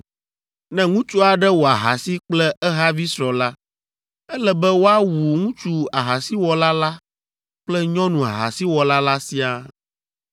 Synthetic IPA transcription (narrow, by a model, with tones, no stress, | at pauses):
nɛ̃˦ŋũ˦t͡ʃu˦a˨ɖɛ˦wo˨a˨ɦa˨si˦k͡plɛ˦ɛ˦ɦa˦vi˦sɾɔ˨la˦ | ɛ˦lɛ˦bɛ˦wo˦a˦wu˨ŋũ˦t͡ʃu˦a˨ɦa˨si˦wɔ˨la˦la˦ | k͡plɛ˦ɲɔ̃˦nũ˨a̰˨ɦa̰˨si˦wɔ˨la˦la˦si˦a˦